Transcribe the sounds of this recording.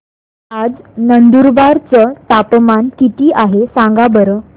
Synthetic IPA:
ad͡znənd̪uɾbaɾt͡sət̪apmankit̪iːʔaɦesãŋɡabəɾə

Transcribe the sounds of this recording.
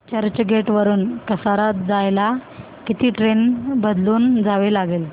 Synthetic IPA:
t͡ɕəɾt͡ɕəɡeʈʋəɾuːnkəsaɾat̪d͡zajla | kit̪iːʈɾenbəd̪luːnd͡zʱaʋelaɡel

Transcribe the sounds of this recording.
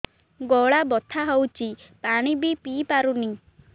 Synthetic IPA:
ɡɔɭabɔt̪ʰaɦɔwt͡ʃi | paɽ̃ibipipaɾuni

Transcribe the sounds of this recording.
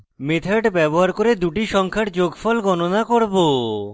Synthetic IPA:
met̪ʰaʈbɛboɦaɾkoɾed̪uʈiʃɔŋkʰaʈd͡ʑoɡfɔlɡɔnonakoɾbo

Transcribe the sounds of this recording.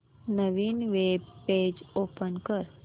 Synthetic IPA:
nəʋiːnʋebːed͡ʒoːpənkəɾ

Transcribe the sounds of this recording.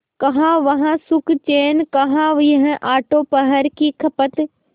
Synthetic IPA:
kɐɦãʋɐɦãsʊkt͡ʃeːnkɐɦãʋiɦə̃ʔaːʈoːpɐɦəɾkikʰɐpət̪

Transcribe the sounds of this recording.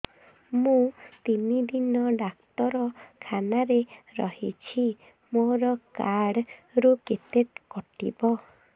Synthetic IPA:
mũt̪inid̪inɔɖak̚t̪ɔɾɔkʰanaɾeɾɔ̰hḭt͡ʃʰi | moɾɔkaɽɾuket̪et̪kɔʈḭbɔ

